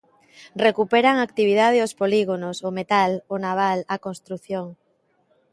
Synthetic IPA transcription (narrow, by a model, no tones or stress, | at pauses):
rekupeɾaŋak̚t̪iβ̞iðað̞eospoliɣonosomet̪alonaβ̞alakonst̪ɾuθjoŋ